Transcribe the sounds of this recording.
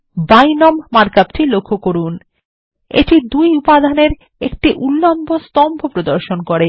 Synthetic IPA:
bajnɔmːaɾkapʈʰilokʰːokoɾun | ḛʈid̪ujupad̪ʱaneɾ | ḛk̚ʈiʔulːombʱost̪ɔmbʱopɾod̪oɾʃonkoɾe

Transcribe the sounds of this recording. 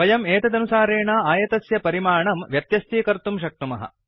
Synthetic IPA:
ɐjɐmeːt̪ɐd̪ɐnusaːɾeːɳaːaːjɐt̪ɐsjɐpɐɾimaːɳɐmʋjɐt̪jɐst̪iːkɐɾt̪umʃ̬ɐk̚t̪umɐɦɐ̰

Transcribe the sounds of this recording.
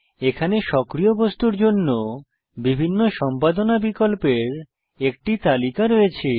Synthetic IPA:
ekʰaneʃɔkɾiobost̪uɾd͡ʑonːo | bibʱinːoʃɔmpad̪onabikolpeɾ | ek̚ʈit̪alikaɾoet͡ɕʰe

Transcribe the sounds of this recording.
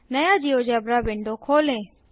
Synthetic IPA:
nəjaːd͡ʒiːoːd͡ʒeəbɾaːbɪɳɖoːkʰoːlẽː

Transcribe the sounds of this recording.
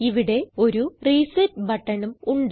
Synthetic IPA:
iʋiɽe̞o̞ɾuriːsɐtbɐʈːɐnɐmuɳɖ

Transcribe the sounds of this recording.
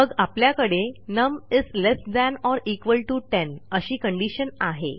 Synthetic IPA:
məɡapljakəɽenəmislesd̪ænɔɾikʋəlʈuʈenəɕiːkəɳɖiɕənaɦḛ

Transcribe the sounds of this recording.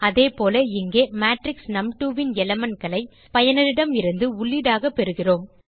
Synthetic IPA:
ɐðeːpoːlɐɪŋɡeːmaːʈɾɪksnɐmʈuːʋɪnɛlɐmɐnkɐlɐɪ | pɐjɐnɪɾɪɽɐmɪɾɯnd̪ɯʊɭːiðaːɣɐpːɛɾɯɣɪroːm

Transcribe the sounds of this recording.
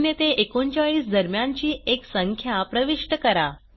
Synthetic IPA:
njet̪eʔekoɲt͡ɕaɭiːsd̪əɾmjaɲt͡ɕiːeksəŋkʰjapɾəʋiʂʈəkəɾa

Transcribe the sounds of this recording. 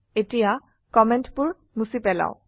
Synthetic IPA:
etija | kɔmɛntpʊɹ | musipɛla̰w̃

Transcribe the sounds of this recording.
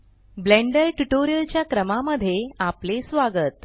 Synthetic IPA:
blẽɳɖəlʈuʈoɾijəlt͡ɕjakɾəmaməd̪ʱːjeaplesʋaɡət̪

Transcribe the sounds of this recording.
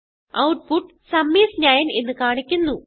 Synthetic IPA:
ɐwʈ̚puʈː | sɐmːiːsɲaːjɐnenːɨkaːɳikʲːunːu

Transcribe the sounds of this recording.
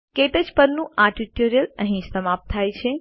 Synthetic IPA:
keʈəd͡ʒpəɾnũʔaʈiʈoɾijələɦĩsəmap̚t̪ʰːajt͡ʃʰe

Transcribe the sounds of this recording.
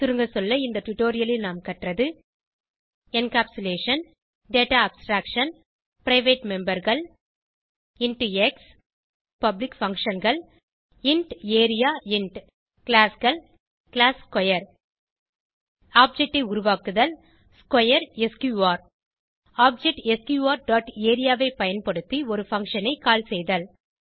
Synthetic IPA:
t̪ɪɾɯŋɡɐsɔlːɐɪnd̪ɐʈʊʈoːɾɪjɐlɪlnaːmkɐʈrɐðɯ | ɛnkaːpsʊleːʂɐn | ɖeːʈaːɐbsʈɾaːkʂɐn | pɪɾɐɪʋeːʈmɛmbɐɾɣɐɭ | ɪɳʈɛks | pɐblɪkfɐŋkʂɐnɡɐɭ | ɪɳʈeːɾɪjaːɪɳʈ | kɪlaːsɣɐɭ | kɪlaːskɐjɐɾ | aːp̚d͡ʒɛk̚ʈːɐɪʊɾʊʋaːkɯðɐl | skwɐjɐɾeskjuːʋaːɾ | aːp̚d͡ʒɛʈɛskjuːʋaːɾɖaːʈeːɾɪjaːʋɐɪpɐjɐnpɐɽɯt̪ːiɔɾɯfɐŋkʂɐnɐɪkaːlsɛjðɐl

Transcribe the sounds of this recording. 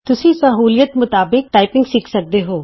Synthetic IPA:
t̪ʊsĩːsɐɦuːlijət̪mʊt̪aːbɪk̚ʈaːɪpɪ̃ŋɡsɪkʰsək̚d̪eɦoː

